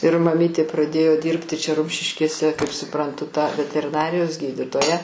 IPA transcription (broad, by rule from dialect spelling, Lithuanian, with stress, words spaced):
ɪr mɐˈmʲiːtʲeː prɐˈdʲeːjoː ˈdʲiːrʲpʲtʲɪ t͡ʃʲɛ ˈrʊmʲʃʲɪʃʲkʲeːsʲɛ kɐɪp sʊˈprɐntʊ tɐ ʋʲɛtʲɛrʲɪˈnɑːrʲɪjoːs ˈɡʲiːdʲɪtoːjɛ